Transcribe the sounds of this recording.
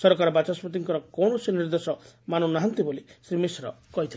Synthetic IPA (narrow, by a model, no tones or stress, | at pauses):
sɔɾɔkaɾɔbat͡ʃaspɔt̪̬iŋkɔɾɔkɔɳɔseniɾd̪esɔmanunaɦant̪ibolisɾimisɾɔ̰kɔɦit̪ʰil